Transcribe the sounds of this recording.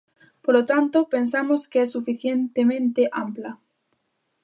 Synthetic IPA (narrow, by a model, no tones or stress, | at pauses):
polot̪ant̪opensamoskeɛsːufiθjent̪emẽnt̪eʔampla